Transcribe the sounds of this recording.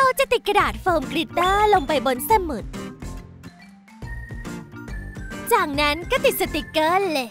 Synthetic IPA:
a˧˥˩wt͡ɕa˨˩t̪i˨˩t̪̚ka˧naː˨˩t̪̚fɤː˧mkɾi˦˥t̪ːəː˥˩lo˧ŋpa˧jbo˧nsa˧˩mu˨˩t̪̚ | t͡ɕaː˨˩k̚na˦˥nkaː˥˩t̪i˨˩t̪̚sa˧˩t̪i˨˩kːəː˥le˧˩

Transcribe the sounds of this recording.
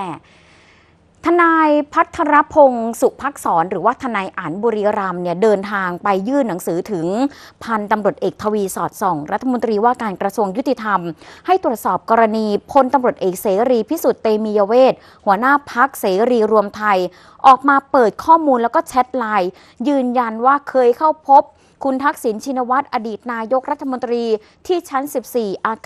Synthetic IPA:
ɛ˩ | t̪ʰa˧naː˧jpʰa˦˥t̪ʰːa˧ɾa˦˥pʰo˧ŋsu˨˩ʔ̚pʰa˦˥k̚sɔː˩˦nɾɯː˩˦waː˥˩t̪ʰa˧naː˧jʔa˩˦nbuː˧ɾiː˧ɾa˧mni˥˩ɐdɤː˧nt̪ʰaː˧ŋpa˧jːɯː˥˩nːa˩˦ŋsɯː˩˦t̪ʰɯ˩˦ŋpʰa˧nt̪a˧mɾu˨˩ət̪ʔeː˨˩k̚t̪ʰːa˧wiː˧sɔː˨˩t̪̚sɔː˨˩˦ŋɾa˦˥t̪ʰːa˧mo˧nt̪ɾiː˧waː˥˩kaː˧nkɾa˧su˧əŋju˦˥t̪ːi˨˩t̪ʰa˧mha˥˩jt̪ɾu˨˩ət̪̚sɔː˨˩p̚kɔː˧ɾa˧niː˧pʰo˧nt̪a˧mɾu˨˩ət̪ʔeː˨˩k̚seː˩˦ɾiː˧pʰi˦˥˩su˨˩t̪ːeː˧miː˧jaː˧weː˥˩t̪̚ | hu˩˦ɐnaː˥˩pʰa˦˥k̚seː˩˦ɾiː˧ɾu˧əmt̪ʰa˧j | ʔɔː˨˩k̚maː˧pɤː˨˩t̪̚kʰɔː˥˩muː˧nlɛː˦˥wkɔː˥˩t͡ɕʰɛ˦˥t̪̚laː˧j | jɯː˧nja˧nwaː˥˩kʰɤː˧jkʰa˥˩wpʰo˦˥p̚ | kʰu˧nt̪ʰa˦˥k̚si˩˦nt͡ɕʰi˧na˧wa˦˥t̪̚ʔa˧diː˨˩t̪̚naː˧jo˦˥k̚ɾa˦˥t̪ʰːa˧mo˧nt̪ɾiː˧ | t̪ʰiː˥˩t͡ɕʰa˦˥nsi˨˩p̚siː˨˩ʔaː˧

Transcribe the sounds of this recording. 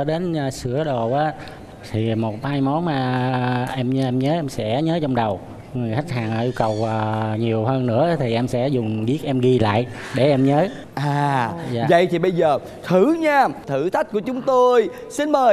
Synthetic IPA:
ɗe˨˦nː˨˩sɨ˧˩əɗo˨˩ʔaː˨˦ | t̪ʰi˨˩mo˨˩t̚haː˧jmɔ˨˦nmaː˨˩ʔɛ˧m˧ʔɛ˧mɲəː˨˦ʔɛ˧msɛ̰˧˥ɲəː˨˦t͡ɕɔ˧ŋ͡mɗə˨˩w | ŋɨ˨˩əjxa˦˥k̟̚haː˨˩ŋʔəː˧˩ʔi˧wkə˨˩wʔəː˨˩ɲi˨˩əwɦəː˧nnɨ̰˧˥əː˨˦t̪ʰi˨˩ʔɛ˧msɛ̰˧˥zʊ˨˩ŋ͡mɓi˦˥ət̚ʔɛ˧mɣi˧la̰ː˧˨jʔ | ɗe˧˩ʔɛ˧mɲəː˨˦ | ʔaː˨˩za̰ː˧˨və̰˧˨jt̪ʰi˨˩ɓə˧jzəː˨˩ | t̪ʰɨ˧˩˦ɲaː˧t̪ʰɨ˧˩t̪ʰa˦˥jk̚ku˧˩ət͡ɕʊ˨˦ŋ͡mt̪o˧j | si˧nməː˨˩j

